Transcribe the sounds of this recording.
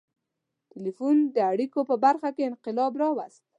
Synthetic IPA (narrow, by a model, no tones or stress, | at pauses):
t̪ɪlifund̪əaɽikopəbaɾxakeɪnqɪlɑbɾɑwast̪̚